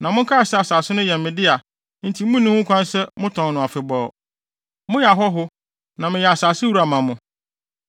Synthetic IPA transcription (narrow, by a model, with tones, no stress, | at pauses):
nã˨mʊ̃˦kʰa˦a˨sɛ˦a˨saː˨sɪ˦nʊ̃˦jɛ˨mɪ̃˨dɪ˦a˨ | n̩˨tʰĩ˨˦mʊ̃˦nĩ˦hʊ̃˦kʰʷã˦n˦sɛ˦mʊ̃˦tʰɔ̃˨nnʊ̃˨a˨fɪ˨bɔː˨ | mʊ̃˦jɛ˨a˨ɦɔ˦ɦʊ˦ | nã˨mɪ̃˨jɛ˨a˨saː˨sɪ˦wu˦ɾa˨mã˨mʊ̃˨